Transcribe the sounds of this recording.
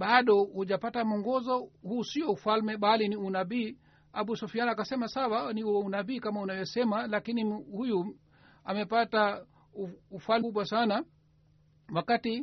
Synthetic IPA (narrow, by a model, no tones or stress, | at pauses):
ɓaɗɔhuʄapatam̩ɔŋɡɔzɔhuːsiɔufalmɛɓaliniunaɓiː | aɓusufianakasɛmasawaniuunaɓiːkamaunavjɔsɛmalakinihuju | amɛpata | uːfalɓwasana | wakati